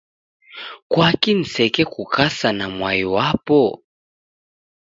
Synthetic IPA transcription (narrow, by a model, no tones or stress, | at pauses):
kwakin̩sɛkɛkukasanamwaiwapɔ